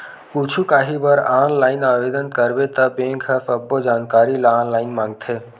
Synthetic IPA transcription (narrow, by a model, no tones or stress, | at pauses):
put͡ʃʰukaːɦibəɾaːnlaːɪnaːʋed̪ənkəɾbet̪əbẽːŋkʰəfəbːod͡ʒaːnkaːɾilaːnlaːɪnmãːŋɡt̪ʰe